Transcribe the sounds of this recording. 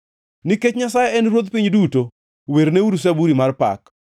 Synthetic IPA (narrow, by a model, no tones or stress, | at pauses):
niket͡ʃɲasajeɛnɾwod̪piɲduto | weɾneuɾus̬abuɾimarpa̰k